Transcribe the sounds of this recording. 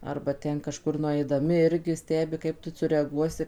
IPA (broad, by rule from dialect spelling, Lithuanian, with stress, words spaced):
ɐrbɐ ˈtʲɛn kɐˈʃkʊr nʊɐɪdɐˈmʲɪ ˈɪrʲɡʲɪ ˈsʲtʲæːbʲɪ ˈkɐɪp tʊ sʊrʲɛɐˈɡuɔsʲɪ